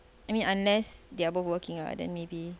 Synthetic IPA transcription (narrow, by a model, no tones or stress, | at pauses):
ajmĩnãnlɛsdeabɔfwəkĩŋa̰dɛ̰̃nmebi